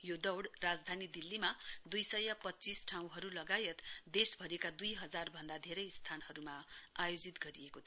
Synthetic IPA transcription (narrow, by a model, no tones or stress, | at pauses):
jod̪ʌwɽrad͡zd̪ʱanid̪ilːimad̪ujsʌjːʌpʌtːt͡sisʈʰaw̃ɦʌɾulʌɡajet̪d̪esbʱʌɾekad̪ujɦʌd͡zarbʱʌnd̪ad̪ʱeɾʌjst̪ʰanɦʌɾumaajod͡zit̪ɡʌɾiekot̪ʰ